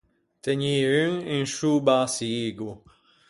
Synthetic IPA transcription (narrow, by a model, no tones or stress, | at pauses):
t̪ɛɲiːyŋinʃubaːsiɡu